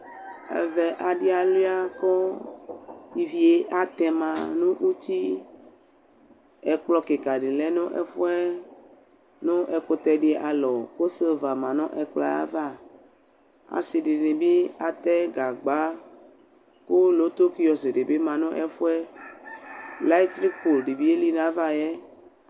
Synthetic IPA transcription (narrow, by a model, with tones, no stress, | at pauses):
ɛ̰˨vɛ˨ʔa˨ɖi˦a˨li˦a˦kɔ˦ | i˨vi˨e˦ʔa˦t̪ɛ̃˨mã˨nũ˦ʔu˦t̪i˦ | ɛ˨k͡plɔ˦ke˨ka˨ɖe˨lɛ˦nõ˦ʔɛ̰˦fo˦ɛ˦ | nõ˦ʔɛ˨ko˦t̪ɛ˦ɖe˨ʔa˨lɔ˨ko˦se˦va˨mã˨nɔ̃˦ʔɛ˨k͡pla̰˦a̰˦va˦ | a̰˨se˨ɖe˨ne˨be˦a˨t̪ɛ˦ɡa˨ɡ͡ba˦ | ko˦lo˦t̪o˦ki˦jɔ˨se˨ɖe˨be˦mã˨nõ˦ʔɛ˦fo˦ɛ˦ | la˦i˦t̪ɾi˦kko˨lɖe˨vi˦e˦li˦nã˨˦va˦jɛ˦